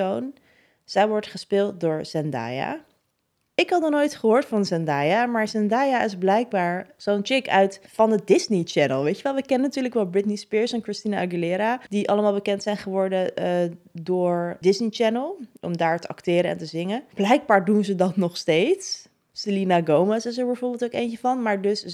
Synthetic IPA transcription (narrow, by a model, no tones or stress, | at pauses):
own | z̥ɛjʋɔɹtχəspɪːlˠt̚dʊːɹz̥ɛnda̰ːja̰ | ɪkɦɑtnɔχnojtχəɦoːɹtfɑnzɛndaːjamaːɹzɛndaːjaɪzblɛjɡ̚baːɹz̥ownt͡ʃɪkœɥtfɑndədɪznit͡ʃɛnəlˠʋejtəʋɛlˠʋəkɛnənatyːɹləkʋɛlˠbɹɪtnispɪːɹsɛnkɹɪstinaaɡilɪːɾadiʔɑləmaːlˠbəkɛntsɛjnχəʋɔɹdə | dʊːɹdɪsnit͡ʃɛnəlˠʔɔ̰mdaːɹtəɑktɪːɾəɛ̰ntəzɪŋənb̥lɛjɡ̚baːɹdunzədɑtnɔχstejts | sɪlinaɡowmɛsɪs̬əɹbɛjvʊːɹbɪlˠtowkejnt͡ʃəvɑnmaːɹdɵs